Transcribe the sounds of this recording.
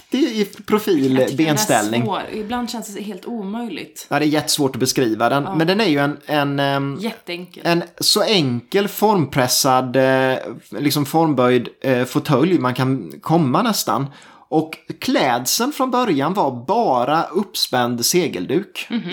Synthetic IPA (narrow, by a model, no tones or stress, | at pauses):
d̪̥ɛɪpʰɾʊfiːlbenst̪ɛ̰lnɪŋɪb̪land̪ɕɛnsd̪ɛɦeːlt̪uːmœjlɪ̰ɡt̪jɑːd̪ɛːɾjɛt̪ːə̥svoːʈɔbɛskɾiːvad̪ɛnmɛnd̪ɛnæɾjɵɛnɛnjɛt̪ːɛŋkɛnsɔɛŋkəlfɔɾmpʰɾɛsːad̪ | lɪksɔmfɔɾmbœjd̪fʊt̪ʰœljmankʰankʰɔmːanɛst̪a̰n | ʔɔkːʰlɛːd̪sənfɾɔnbœɾjanvaɾbɑːɾaɵpːspɛnd̪seːɡə̰ld̪ʉ̟ːk